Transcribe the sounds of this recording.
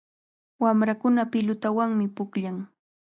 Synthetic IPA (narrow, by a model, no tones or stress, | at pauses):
wamɾakʊnapɪlʊt̪awaŋmɪpʊkʎaŋ